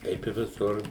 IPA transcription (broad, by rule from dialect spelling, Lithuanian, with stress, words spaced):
ˈkɐɪp ɪ ʋʲɪˈsʊr